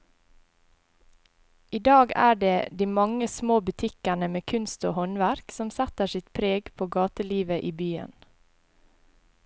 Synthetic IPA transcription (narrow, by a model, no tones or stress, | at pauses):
ʔiːd̪ɑːɡæ̰ːɖeːd̪iːmɑŋəsmoːbʉt̪ʰɪkæɳəmeːkʰʉnst̪o̰ːhɔnʋæɾksɔmsæt̪əʃɪt̪pʰɾeːɡpʰoːɡɑːt̪əliːʋəʔiːbyːə̰n